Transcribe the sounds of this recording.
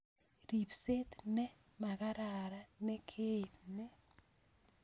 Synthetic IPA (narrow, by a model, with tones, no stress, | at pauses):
ri˨pse˦t̪nɛ˦ | ma˨ka˦ɾa˨ɾa˦nɛ˦kʰe˦˨pnɛ˦